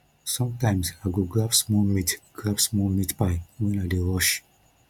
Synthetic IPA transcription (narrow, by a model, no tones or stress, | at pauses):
sɔ̃mtãɪ̃msaɡoɡɹafsmɔlmitɡ̥ɹavsmɔmitpaɪwɛ̃nadeɹɔʃ